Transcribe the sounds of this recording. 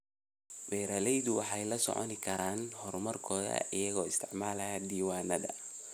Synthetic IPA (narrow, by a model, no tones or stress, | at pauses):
wɛːɾɐlɛjðʊwɑħɑjlɐsɔ̰ʕɔ̰nɪkʰɐɾaːnhɔrmɐrkʰɔːðɐ̰ɪjɐɣɔːɪst̪ʰɪʕmaːlɐjad̪iːwaːnɐðɐ